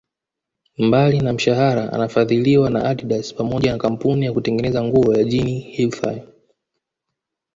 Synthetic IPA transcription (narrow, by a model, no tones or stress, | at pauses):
mbalinam̩ʃaɦaɾaʔa̰nafaðiliwana̰ʔatiɗaspamɔʄanakam̩punijakutɛŋɡɛnɛzaŋɡuɔjaʄinihifa̰